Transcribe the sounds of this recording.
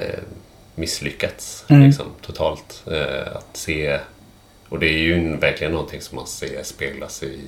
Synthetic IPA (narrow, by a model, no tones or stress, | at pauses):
mɪslʏkːat̪sɪksɔ̰mt̪ʰʊt̪ʰɑːlt̪a̰t̪seː | ɔd̪ɛæɾjɵvæɾklɪɡənːɔnt̪ʰɪŋsɔmːa̰nseːspeːɡlasɛ